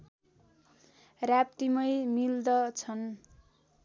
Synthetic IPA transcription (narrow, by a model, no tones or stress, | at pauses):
rap̚t̪imʌjmild̪ʌt͡sʰʌn